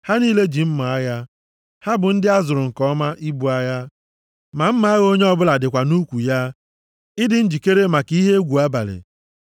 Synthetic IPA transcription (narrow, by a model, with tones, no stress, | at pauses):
ha˦niː˦le˦d͡ʒi˨m̩˦ma˨a˦ja˦ | ha˦bʊ˨n̩˦dɪ˦a˦zʊ˨ɾʊ˨ŋ̩˨kɔ˦ma˦ʔi˦bu˨a˦ja˦ | ma˨m̩˦ma˨˦a˦ɣo˦ɲe˦ɔ˦bʊ˦la˨dɪ˨kʷa˨nu˦kʷu˨ja˦ | ɪ˦dɪ˦n̩˦d͡ʒi˨ke˦ɾe˦ma˨ki˦ɦe˦ɡʷu˨a˦ba˨lɪ̰˨